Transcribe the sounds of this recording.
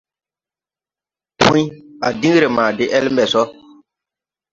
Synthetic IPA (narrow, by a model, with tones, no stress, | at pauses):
pʰṵ̃˦i˦a˨dĩ˦ɾe˨maː˨dɪ˦ʔɛ˦lm̩˦bɛ˨sɔ˦